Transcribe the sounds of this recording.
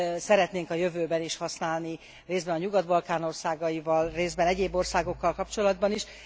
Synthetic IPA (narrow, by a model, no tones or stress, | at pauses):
sɛɾɛt̪neːŋkɒjø̞vøːbɛniʃhɒsnaːlni | reːzbɛnɒɲuɡɒd̪bɒlkaːno̞rsaːɡɒjivɒlreːzbɛnɛɟeːbːo̞rsaːɡo̞kːɒlkɒpt͡ʃo̞lɒd̪bɒniʃ